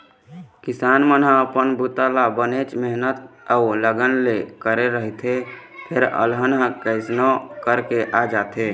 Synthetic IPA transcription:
kɪsaːnmənɦãəpənbut̪alabənet͡ʃmɛɦnət̪auləɡənlekəɾeɾəɦit̪ʰe | pʰeɾə̰lɦənɦə̃kəɪsnokəɾkeʔad͡ʒaːt̪e

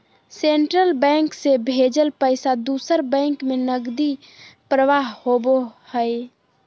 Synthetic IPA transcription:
seɳʈɾəlbɛ̃ːŋksebʱeːd͡ʒəlpəɪsad̪uːsəɾbɛ̃ːŋkmẽnəɡd̪i | pɾəʋaːɦhoːbohəe

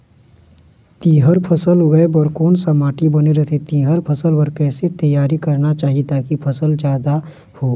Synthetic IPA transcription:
t̪iːɦəɾpʰəsəlɦoɡəebəɾkoːnsɐmaːʈibɐneɾət̪ʰet̪iːɦəɾpʰəsəlbəɾkɛːset̪əjaːɾikɐɾnat͡ʃaːɦiet̪aːkipʰɐsəld͡ʒjaːd̪a | hoː

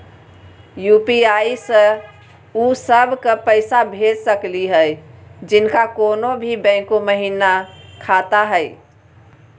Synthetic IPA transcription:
jupiaisə̃ | usəbʱkəpəɪsabʱed͡ʒsəkliɦəjd͡ʒinkakonobʱibɛ̃koməɦinakʰat̪aɦəj

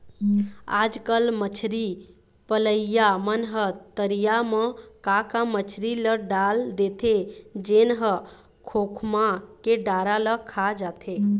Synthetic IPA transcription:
a̰d͡ʒkəlmət͡ʃʰɾi | pələjjamənɦət̪əɾijaməkakamət͡ʃʰɾiləɖald̪et̪ʰed͡ʒenɦə | kʰokʰmakeɖaɾaləkʰad͡ʒat̪ʰe

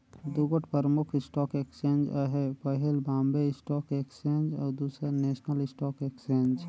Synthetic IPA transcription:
d̪ʊɡəʈpəɾəmʊkʰɪsʈɔːkekst͡ʃẽːnd͡ʒəɦepəɦɪlbãːmbeɪsʈɔːkekst͡ʃẽːnd͡ʒɔ̰ːɾd̪uːsɾeneːsnəlɪsʈɔːkeːksẽːnd͡ʒ

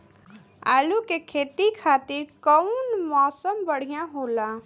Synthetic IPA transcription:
a̰ːlukekʰeːt̪ikʰaːt̪ɪɾkəʊnmɔːsəmbəɽ̤ijãɦoːla

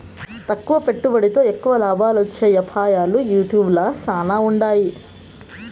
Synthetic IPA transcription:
t̪ɐkːuʋɐpe̞ʈːubɐɽit̪o̞ːekːuʋɐlaːbʱaːlot͡ʃːeːjɐpʰaːjaːlujuːʈjuːblɐsaːnaːuɳɖaːji

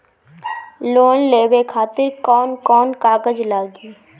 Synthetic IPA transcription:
loːnleːbekʰaːt̪ɪɾkɔːnkɔːnkaːɡəd͡ʒlaːɡiː

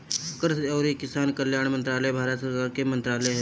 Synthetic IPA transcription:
kəɾsɔːɾikɪsaːnkəljaːɽ̃mə̃nt̪ɾaːləbʱaːɾət̪səɾkaːɾkemə̃nt̪ɾaːlɛɦɛ

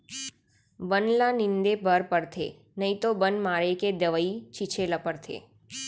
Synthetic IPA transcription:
bənlanɪ̃nd̪ebəɾpəɾt̪ʰḛː | nəĩt̪obənmaːɾeked̪əʋəit͡ʃit͡ʃʰeləpəɾt̪ʰḛː

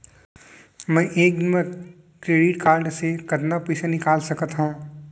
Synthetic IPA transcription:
mɛ̃ːʔeːkme | kɾeːɖɪʈkaːɾɖsekɐt̪napɛːsanɪkaːlsɐkət̪ɦũː

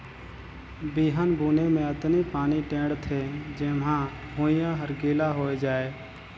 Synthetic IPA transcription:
biːɦənbʱuːnemẽɐt̪nipaːniʈẽːɖt̪ʰed͡ʒeːmɦãɦoːɪ̃jãɦəɾɡiːlaɦoːed͡ʒaːeː

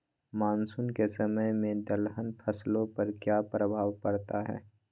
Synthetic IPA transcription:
maːnsuːnkesɐməjmẽd̪əlɦənpʰɐslõpɐɾkjaːpɾəbʱaːʋpɐɾt̪aɦɛ̰ː

